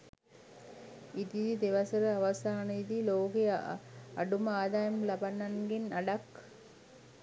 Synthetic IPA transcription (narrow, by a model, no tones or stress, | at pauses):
it̪id̪id̪eʋasəɾəaʋasaːnəid̪iloːke | a̰ɖuməaːd̪aːjɐmlabanːaŋɡenaɖak